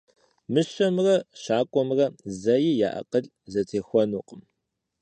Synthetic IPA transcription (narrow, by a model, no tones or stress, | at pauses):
mɨɕɐmrɐɕaːkʷʼɔmrɐzɐjɪja̰ːʔɐ̰qəɮ | zɐtʰeːxʷɔnuːqʼəm